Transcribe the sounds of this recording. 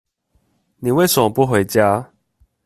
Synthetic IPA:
nĩ˨we˥˧˨swã˨˩ŋpu˦ɦwe˨˩˨t͡ɕja˦

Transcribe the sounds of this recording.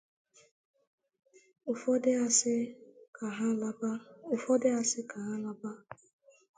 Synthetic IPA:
ʊ˨fɔ˦ds | ɦa˦ba˦ʊ˨fɔ˦dɪ˦a˦sɪ˦ka˨ɦa˦la˦ba˦

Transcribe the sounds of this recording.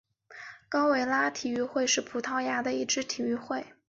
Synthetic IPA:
kɑ˥ʊwe˧˥ɪla˥t̪ʰi˨˩y˥˧xwe˥˧ɪʂɻ̩˥˩pʰu˨˩t̪ʰɑ˥˩ʊja˧˥d̪ə˧i˥˩ʈ͡ʂɻ̩˥t̪ʰi˨˩y˥˧xwe˥˩ɪ

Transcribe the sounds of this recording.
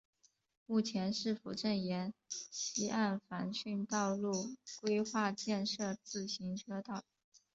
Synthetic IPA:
mu˥˩t͡ɕʰjɛ˧˥nʂɻ̩˥˩fṵ˨˩ʈ͡ʂə˥˩njɛ˧˥nɕʰi˧˥ʔa˥˩nfa˧˥nɕy˥˧nt̪ɑ˥˧ʊlu˥˩kwe˥ɪxwa˥˧t͡ɕjɛ˥˧nʂɤ˥˧t͡sɹ̩˥˩ɕi˧˥ŋʈ͡ʂɤ˥t̪ɑ˥˩ʊ

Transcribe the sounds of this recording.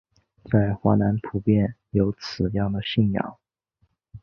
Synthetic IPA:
t͡sa˥˩ɪxwa̰˧˥na˧˥npʰu˨˧˩pjɛ˥˩njo˧˥ʊt͡sʰɹ̩˨˩jɑ˥˩ŋd̪ə˩ɕi˥˩˧njɑ̰˥˩ŋ

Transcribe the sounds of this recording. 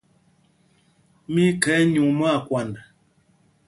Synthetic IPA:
mi˦kɛ˨˦ɲu˨ŋmɔ˦a˦˨kwa˨nda˨

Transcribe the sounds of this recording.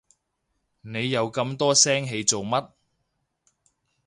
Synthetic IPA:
ne˨˧jːɐ˨˧wkɐ˧mt̪ɔː˥sɛː˥ŋɦe˨˧jt͡so˨wmɐ˥t̚

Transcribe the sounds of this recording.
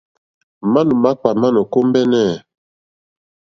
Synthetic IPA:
ma˦nu˨ma˦k͡pa˨ma˦nɔ˨ko˦mbɛ˦nɛ˦˨

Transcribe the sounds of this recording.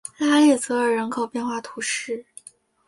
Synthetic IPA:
la˥ljɛ˥˩t͡sɤ˧˥ə˞˧˨˩ɻə˧˥nkʰo˨˩ʊpjɛ˥˧nxwa˥˩t̪ʰu˧˥ʂɻ̩˥˩

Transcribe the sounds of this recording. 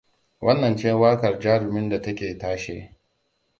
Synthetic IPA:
wʔɐ˦nːɐ˨nt͡ʃɛ˦waː˦kɐ˨rd͡ʒaː˦ɽʊ˨mɪ˦nda˨tɐ˦kʲeː˨taː˦ʃḛː˦

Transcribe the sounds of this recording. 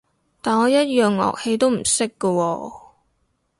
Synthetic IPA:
t̪aː˨nɔː˨˧jɐ˥t̚jœː˨ŋlɔ̰ː˨k̚he˨˧jt̪o˥wm̩˨˩sɪ˥kːə˧wɔː˧

